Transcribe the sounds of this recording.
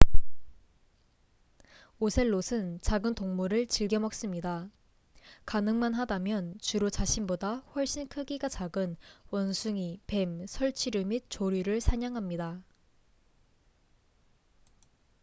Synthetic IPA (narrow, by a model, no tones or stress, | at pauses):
osʰe̞ɭːosʰɯnt͡ɕaɡɯntoŋmuɾɯɭt͡ɕiɭɡjʌmʌk̚s͈ɯmɲida | kanɯŋmanɦadamjʌnt͡ɕuɾot͡ɕaɕʰinbodaɸwʌɭɕ͈inkʰɯɡiɡat͡ɕaɡɯnwʌnsʰuŋipe̞msʰʌɭt͡ɕʰiɾɯmit̚t͡ɕoɾiɾɯɭsʰaɲaŋɦamɲida